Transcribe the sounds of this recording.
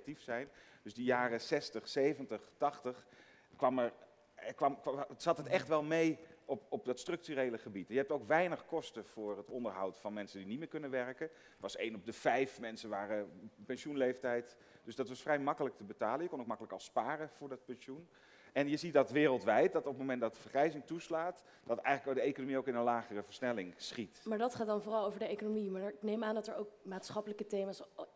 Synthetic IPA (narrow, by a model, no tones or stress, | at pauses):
tifsɛjn | d̥ɵzdəjaːrəsɛstəχsejvəntəχtɑχtəχ | kʋɑmɛɹ | kʋɑmz̥ɑtɦətɛχtʋɛlˠmejɔpɔp̚dɑtstrɵk̚tyrejləχəbitjəɦɛp̚towkʋɛjnəχkɔstəv̥ʊːɹɦətɔndəɹɦɑwtfɑnmɛnsəndinit̚mɪːkɵnənʋɛrkə | tʋɑsḛjnɔb̚dəv̥ɛjfmɛnsəʋaːrəpɛnʃunlejftɛjt | d̥øsdɑtʋɑsfrɛjmɑkələk̚təbətaːləjəkɔnowk̚mɑkələkɑlˠspaːrəv̥ʊːɹdɑt̚pɛnʃun | ɛnjəzit̚dɑtʋɪːrəlˠtʋɛjt̚dɑtɔp̚mowmɛntdɑtdəvəɹχɛjzɪŋtuslaːt | d̥ɑtɛ̰jχələkdəejkonomiowkɪnənlaːχərəvəɹsnɛlɪŋsχitmaːɹdɑtχaːdɑnvʊːrɑlˠowvəɹdəejkonomimaːɪknejmaːndɑtəɹowkmaːtsχɑpələkətejmaːs